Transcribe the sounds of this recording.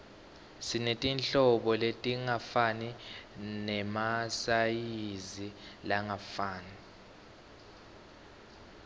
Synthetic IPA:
sinetʼinɬɔɓɔletʼiŋafaninɛmasajizilaŋafaːni

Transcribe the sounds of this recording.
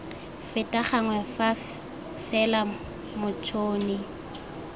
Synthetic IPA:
fɪtʼaχaŋwɛfa | fɛla | mʊt͡ʃʰoːnɪ

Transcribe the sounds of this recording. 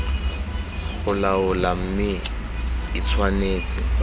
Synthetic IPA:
χʊlaʊlam̩mɪ | ɪt͡sʰwaneːt͡sɪ̰

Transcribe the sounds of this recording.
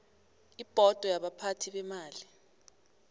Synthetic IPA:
ib̥ʱɔd̥ʱɔjaɓapʰatʰiɓɛmaːli

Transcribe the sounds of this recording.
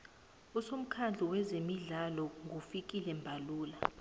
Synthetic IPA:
usom̩kʰand͡ɮʱiwɛzemiɮalɔŋʱufik̬ʼilɛmbʱaluːla

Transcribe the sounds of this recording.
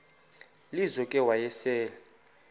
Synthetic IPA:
lizɔkʼɛwajɛsɛːla

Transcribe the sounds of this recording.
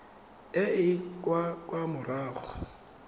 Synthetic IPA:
ɪɪkʼwakʼwamʊraːɣɔ

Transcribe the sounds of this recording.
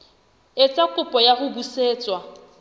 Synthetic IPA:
ɪt͡sʼakʼʊpʼɔjaχʊbuseːt͡sʼwa

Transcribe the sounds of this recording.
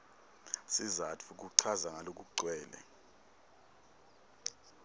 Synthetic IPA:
sizatʰuk̬uǀʰazaŋalok̬ʼuǀwɛːlɛ̰

